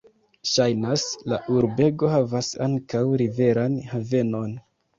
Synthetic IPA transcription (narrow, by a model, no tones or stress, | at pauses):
ʃajnasla̰ʔuɾbe̞ɡo̞havasa̰ŋkawɾive̞ɾanhave̞no̞n